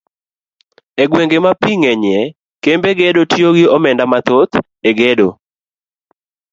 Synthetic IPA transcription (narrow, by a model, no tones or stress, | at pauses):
eɡweŋɡemapiŋɛɲɛ | kembeɡedotʰjoɡɪɔmɛndamat̪ot̪ | eɡedo